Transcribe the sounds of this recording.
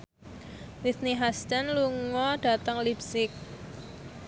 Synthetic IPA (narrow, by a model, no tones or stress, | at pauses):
lit̪niɦast̪anluŋɔɖ̥a̤t̪əŋlipsɪk̚